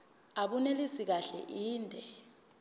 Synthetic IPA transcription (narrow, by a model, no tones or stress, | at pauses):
aɓunelisik̬aɬɛ̰ʔiːndʱɛ